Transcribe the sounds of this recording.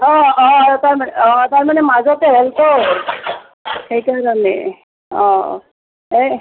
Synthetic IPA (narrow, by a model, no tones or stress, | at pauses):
ɔ̃ɔ̃taɹmanɔ̃taɹmanɛmazɔt̪ɛɦɛlkɔɹ | xejkaɹɔnɛ | ɔ̃ | e